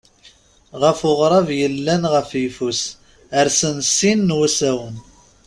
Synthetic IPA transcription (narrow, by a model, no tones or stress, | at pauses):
ʁəfʊʁɾˤɑvjəlːænʁəfifus | əɾsənsinːwæsæwən